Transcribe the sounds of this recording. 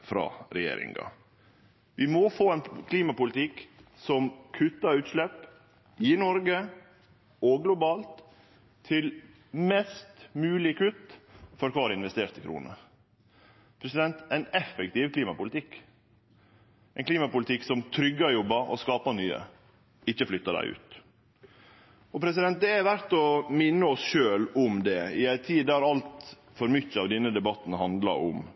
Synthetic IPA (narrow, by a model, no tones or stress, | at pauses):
fɾɑ̰ːɾɛjḛːɾɪ̰ŋɡɑ̰ | ʋɪmɔfoːɛnkʰliːmɑpʊlt̪ɪksɔmkʰʉt̪ːɑʉːt̪ʃlɛp | ɪnɔɾɡə | ɔɡlʊbɑːlt̪ʰː | ɪl | mɛst̪mʉːlɪkʰʉt̪ːfɔɾkʰɑːɑɾɪnʋɛst̪eːɾt̪əkʰɾṵːnə̰ | pʰɾɛsɪd̪ɛnt̪æɪnɛfɛk̚t̪ɪʋkʰliːmɑpʊlɪt̪ʰɪkː | æɛnkʰliːmɑpʊlɪt̪ʰɪksɔmt̪ʰɾʏɡːɑjɔbːɑʔɔ̰skɑːpɑnyːə̰ | ɪçːəflʏt̪ːɑd̪æ̰ɪʉ̰ːt̪ | ɔpʰɾɛs̬ɪd̪ɛnt̪̚d̪ɛæɾʋæɾt̪ɔmɪnːəɔsʃøːlʊmd̪ɛɪæɪt̪ʰiːd̪æɾɑlt̪ | fɔɾmʏçːəɑʋd̪ɛnːəd̪ɛbɑt̪ːn̩ɦɑnd̪lɑ̰ʔʊ̰m